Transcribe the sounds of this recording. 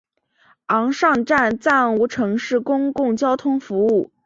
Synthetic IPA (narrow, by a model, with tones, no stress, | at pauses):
ɑ˧˥ŋʂɑ˥˧ŋʈ͡ʂa˥˩nt͡sa˥˩nu˧˥ʈ͡ʂʰɤ˧˥ŋʂɻ̩˥˩kʊ˥ŋkʊ˥˩ŋt͡ɕjɑ˥ʊt̪ʰʊ˥ŋfu˧˥u˥˩